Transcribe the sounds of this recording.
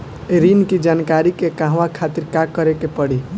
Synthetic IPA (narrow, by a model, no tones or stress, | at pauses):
eɾinkid͡ʒankaɾikekaɦʋakʰat̪iɾkakəɾekepəɽi